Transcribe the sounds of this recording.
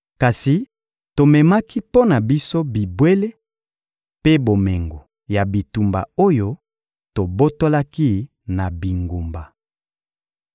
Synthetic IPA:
ka˨si˨ | to˨mɛ˨ma˦ki˦po˦na˨bi˦so˦bi˨bwe˦le˦ | pe˦bo˨me˨ŋɡo˨ | ja˨bi˨tu˨mba̰˨o˦jo˦ | to˨bo˦to˦la˦ki˦ | na˨bi˨ŋɡo˨mba˨

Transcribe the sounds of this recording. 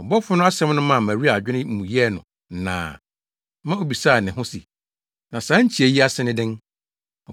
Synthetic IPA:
ɔ˨bɔ˦fʊ˦nʊ̃˦a˦sɛ̃˦m˦nʊ̃˦mã˨mæ̃˨ɾi˦a˨d͡ʑᶣɪ˦nɪ̃˦m̩˨mũ˨jɛ˦˨nʊ̰̃˨˦ | nã̰ː˨ | mã˦o˨bi˨sa˦˨nɪ̃˨ɦʊ̃˦si˨ | nã˨sãː˨˦ɲ̩˦t͡ɕʰi˨æ˨ji˦a˦sɪ˦nɪ̃˦dɪ̃˦n | ɔ˨

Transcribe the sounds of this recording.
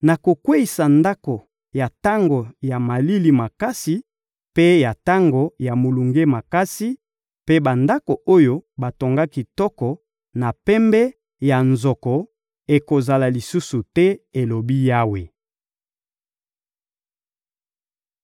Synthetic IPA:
na˨ko˨kwe˦i˨sa˨nda˦ko˨ | ja˨ta˦ŋɡo˨ja˨ma˨li˦li˨ma˨ka˦si˨ | pe˦ja˨ta˦ŋɡo˨ja˨mo˨lu˨ŋɡe˦ma˨ka˦si˦ | pe˦ba˨nda˦ko˨o˦jo˦ba˨to˨ŋɡa˦ki˨tɔ˦kɔ˨ | na˨pɛ˦mbɛ˦ | ja˨nzɔ˨kɔ˨ | e˨ko˨za˨la˨li˨su˦su˨tɛ˦e˨lo˨bi˦ja˦we˨

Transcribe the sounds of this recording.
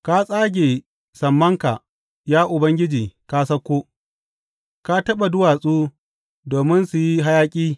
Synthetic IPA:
ka˦sʼaː˦ɡʲeː˨ | sɐ˨mːɐ˦ŋka̰˨ | jaː˦ʔʊ˨bɐ˦ŋɡʲɪ˦d͡ʒiː˨kaː˦sɐ˦kʷːoː˦ | ka˦tɐ˦ɓa˨dʊ˦waː˨sʼuː˦ | doː˨mɪ˦nsu˨ji˦ɦa˦jaː˦kʲʼiː˦

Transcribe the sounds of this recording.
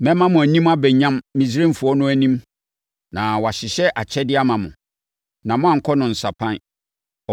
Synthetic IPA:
mɛ̃˦mã˦mʊ̃˨æ˨nĩ˦ma˦bɛ˨ɲã˦mːĩ˨s̬i˦ɾẽ˦m˦fu˨ɔ˦nʊ̃˦æ˨nĩ˦m | nã˨wɔ˨a˨ɕɪ˨ɕɛ˦ʔa˨t͡ɕʰɛ˦dɪ˦a˦mã˨mʊ̰̃˨ | nã˨mʊ̃˦a˦˨ŋ̩˨kʰɔ˦nʊ̃˨n̩˨sa˨pʰã˦n˦ | ɔ˨

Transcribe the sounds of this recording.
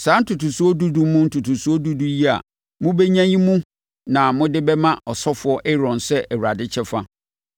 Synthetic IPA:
sãː˨˦n̩˦tʰu˨tu˨su˦ɔ˦du˦du˦mũ˦n̩˦tʰu˨tʰu˨su˦ɔ˦du˦du˦ji˦a̰˨ | mʊ̃˦be˦ɲã˦jĩ˦mũ˦ | nã˨mʊ̃˦dɪ˦bɛ˦mã˦ʔɔ˨sɔ˦fʊ˨˦ɔ˦ʔɛ˦ɾɔ̃˨nsɛ˦ʔɛ˨wu˨ɾa˨dɪ˦t͡ɕʰɛ˦fa˦

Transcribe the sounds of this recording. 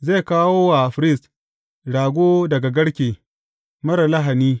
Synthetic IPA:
ze˦˨kaː˦woː˦wa˨ɸɾɪ˦˨s | ɽaː˨ɡʷoː˦dɐ˨ɡa˨ɡɐ˦ɽkʲeː˨ | mɐ˦ɾa˨la˦ɦa˨niː˦

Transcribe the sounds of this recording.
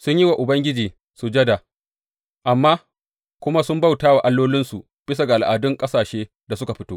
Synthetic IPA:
sʊ˦ɲji˦wa˨ʔʊ˨bɐ˦ŋɡʲɪ˦d͡ʒiː˨ | su˨d͡ʒɐ˦da˨ | ʔa˨mːaː˦ | kʷʊ˦ma˦sʊ˦mba˦˨wtaː˦wa˨ʔa˦lːoː˦lɪ˦nsu˨ | b̥ɪ˦sa˨ɡa˨ʔa˨lʔaː˨dʊ˦ŋkʼɐ˦saː˨ʃeː˦ | da˨sʊ˦ka˨ɸɪ˦toː˦

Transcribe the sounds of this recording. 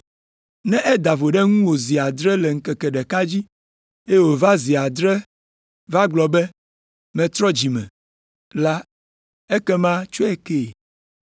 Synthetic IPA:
nɛ̃˦ʔɛ˦d̪a˨vo˨ɖɛ˦ŋũ˦wo˨zi˨a˨d̪ɾɛ˦lɛ˨ŋ̩˨kɛ˨kɛ˨ɖɛ˨ka˦d͡ʑi˦ | e˦wo˨va˦zi˨a˨d̪ɾɛ˦ | va˦ɡ͡blɔ˨bɛ˦ | mɛ̃˨t̪ɾɔ˦d͡ʑi˨mɛ̰̃˨ | la˦ | ɛ˦kɛ˦mã˦t͡ʃo˦ɛ˦ke˦˨

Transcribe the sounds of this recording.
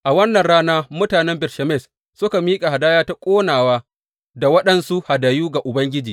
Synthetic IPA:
ʔa˨wɐ˦nːɐ˨nɽaː˦naː˦mʊ˦taː˨nɛ˦mbɪ˨ɾʃa˨mɛ˦˨s | sʊ˦ka˨miː˦kʼa˨ha˨daː˦jaː˦ta˦kʷʼoː˦naː˨waː˦ | da˨wɐ˦ɗɐ˨nsu˦ha˨da˨juː˦ɡa˨ʔʊ˨bɐ˦ŋɡʲɪ˦d͡ʒiː˨

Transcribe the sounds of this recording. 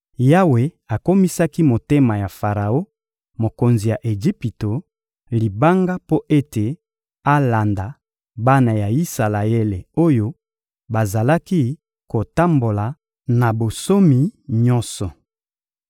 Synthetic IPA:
ja˦we˨ | a˨ko˦mi˦sa˦ki˦mo˨te˦ma˨ja˨fa˨ʁa˨o˦ | mo˨ko˨nzi˨ja˨ʔe˨ʒi˦pi˨to˨ | li˨ba˦ŋɡa˦po˦ʔe˦te˨ | a˦la˨nda˨ | ba˦na˨ja˨i˦sa˨la˨e˦le˨o˦jo˦ | ba˨za˨la˦ki˦ | ko˨ta˦mbo˨la˨ | na˨bo˨so˦mi˨ɲɔ̃˦nsɔ˨

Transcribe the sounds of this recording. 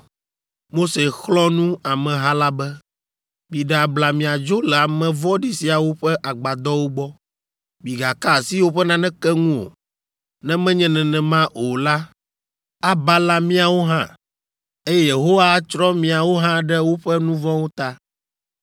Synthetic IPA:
mo˦se˨xlɔ˦nũ˦a˨mɛ̃˨ɦã˦la˦bɛ˦ | bi˨ɖɛ˨a˨bla˨mĩ˨a˨d͡ʒo˦lɛ˨a˨mɛ̃˨vɔ˦ɖi˨si˨a˨wo˦ɸɛ˦ʔa˨ɡ͡ba˨d̪ɔ˦wo˦ɡ͡bɔ˦ | bi˨ɡa˨ka˦˨si˦wo˦ɸɛ˦nã˦nɛ̃˦kɛ˦ŋũ˦o̰˨ | nɛ̃˦mɛ̃˦ɲɛ̃˦nɛ̃˨nɛ̃˨mã˦ʔo˨la˦ | a˦ba˦la˦mĩ˦a˨wo˦ɦã˦ | e˦jɛ˦je˨ɦo˦wa˦t͡ʃɾɔ˦mĩ˨a˨wo˦ɦã˦ɖɛ˦wo˦ɸɛ˦nũ˦vɔ̃˦wo˦t̪a˦

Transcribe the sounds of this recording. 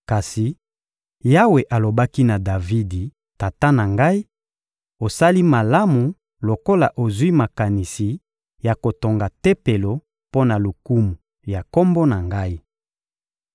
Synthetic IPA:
ka˨si˨ | ja˦we˨ʔa˨lo˨ba˦ki˦na˨da˨vi˦di˨ | ta˨ta˦na˨ŋɡa˦i˦ | o˨sa˦li˦ma˨la˦mu˨ | lo˨ko˦la˨ʔo˨zwi˦ma˨ka˨ni˨si˨ | ja˨ko˨to˨ŋɡa˨te˦pe˨lo˨ | po˦na˨lu˨ku˦mu˨ | ja˨ko˦mbo˦na˨ŋɡa˦i˦

